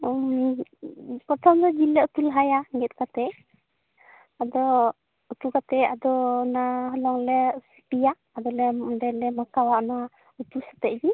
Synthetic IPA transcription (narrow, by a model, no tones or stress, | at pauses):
pɔɾt̪ʰɔmd̪ɔd͡ʒilɛut̪ulɦajaŋɛt̪̚kat̪ɛ | ad̪ɔ | ut̪ukat̪ɛad̪ɔnaɦɔlɔŋlɛsi̥pijaːd̪ɔlɛɔɖɛlɛmakawaʔnɔwa | ut̪ulsḁt̪ɛʔ̚d͡ʒi